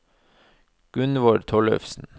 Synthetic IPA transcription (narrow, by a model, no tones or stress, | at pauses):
ɡ̥ʉnʋoːɖt̪ʰɔɭœ̰fsn̩